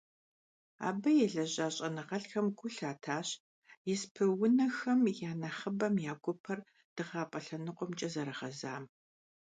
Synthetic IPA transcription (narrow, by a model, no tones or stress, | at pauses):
a̰ːbɐjɛɮɐʑʼaːɕʼɐnɨʁɐɬxɐmɡʷʊɬaːtʰaːɕ | jɪspʰɨwʊnɐxɐmjaːnɐχəbɐmjaːɡʷɔpʰɐr | d̥ɨʁaːpʼɐɬɐnɨqʷɔmt͡ʃʼɐzɐɾɐʁɐza̰ːm